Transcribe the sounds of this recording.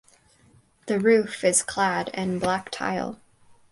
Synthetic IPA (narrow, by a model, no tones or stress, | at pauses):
ðɨɹʉfɪz̥kʰl̥æɾɨ̃nblæk̚tʰa̰ɪlˠ